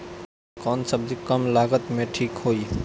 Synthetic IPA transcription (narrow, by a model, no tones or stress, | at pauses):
kɔːnsəb̚d͡ʒikəmlaːɡət̪mẽʈʰiːkɦoːi